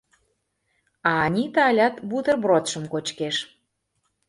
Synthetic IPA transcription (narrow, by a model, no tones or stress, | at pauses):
ɑːnʲit̪ɑlʲɑt̪but̪ərbrot̪ʃə̆mkot͡ɕkeʃ